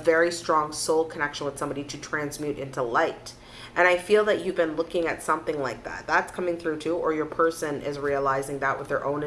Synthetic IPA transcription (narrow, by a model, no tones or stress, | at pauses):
vɛɹistɹ̥ɔ̃ŋsoʊlˠkʰənɛkʃə̃n̩wəð̥sʌ̃mbɑɾiɾɨtʰɹ̥æ̃nzmjʉɾɪ̰̃ntulaɪt | ʔɨ̃ɾ̃aɪfilˠðɨt͡ʃɨvbɨ̃nlʊkɪ̃ŋɨtsʌ̃mθɪ̃ŋlaɪk̚ðæ̰t̪̚ðætskʰʌmɪ̃ŋθɹʉɾʰʉʔə˞jə˞pʰɜ˞sɨ̃nʔɪ̰zɹiəlaɪzɪ̃ŋðəʔ̚wəðə˞ʔõ̰ʊ̃n